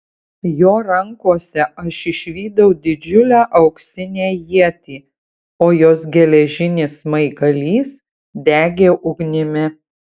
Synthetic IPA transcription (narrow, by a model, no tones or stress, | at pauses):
joːɾɐŋkuɔsʲɛʔɐʃɪʃʲʋʲiːd̪ɐʊd̪ʲɪd͡ʒʲʊlʲæːʔɐʊksʲɪnʲeːjiɛt̪ʲiː | oːjoːs̬ɡʲɛlʲɛʒʲɪnʲeːsmɐɪɡɐlʲiːs | d̪ʲæːɡʲeːʔʊɡnʲɪmʲɪ